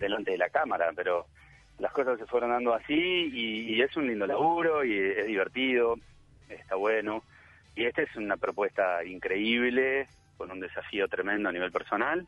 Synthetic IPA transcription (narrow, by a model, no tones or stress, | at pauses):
d̪elant̪e̞ðelakamaɾa̰peɾo̞ | lahko̞sasːe̞fweɾond̪and̪oasiː | esunlind̪o̞laɣuɾo̞ieɦðiβeɾt̪iðo̞ | eht̪aβweno̞ | ieht̪aesunapɾo̞pwest̪aiŋkɾe̞iβle | ko̞nund̪esafio̞t̪ɾemẽnd̪oaniβe̞lpeɾso̞nal